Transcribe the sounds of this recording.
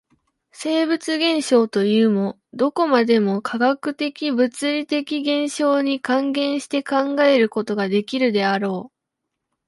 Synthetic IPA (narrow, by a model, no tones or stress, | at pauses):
se̞ːbɯ̟t͡sɨɡẽ̞ɰ̃ɕo̞ːt̪o̞jɯ̟ːmo̞ | d̪o̞ko̞mad̪e̞mo̞kʰaɡakɯ̟t̪e̞kʲibɯ̟t͡sɨɾʲit̪e̞kʲiɡẽ̞ɰ̃ɕo̞ːɲ̟ikãŋɡẽ̞ɰ̃ɕi̥t̪e̞kãŋɡae̞ɾɯ̟ko̞t̪o̞ɡad̪e̞kʲiɾɯ̟d̪e̞aɾo̞ː